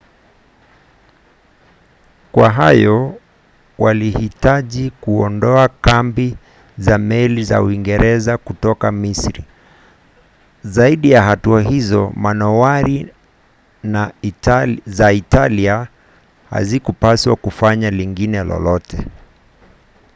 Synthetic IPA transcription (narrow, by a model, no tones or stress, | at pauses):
kwaɦajɔ | walihitaʄikuɔndɔakambi | zamɛliza̰uiŋɡɛɾɛzakutɔkamisɾḭ | zaiɗijaɦatuaɦizɔmanɔwaɾi | na | zaitalia | ha̰zikupaswakufaɲaliŋɡinɛlɔ̰lɔtɛ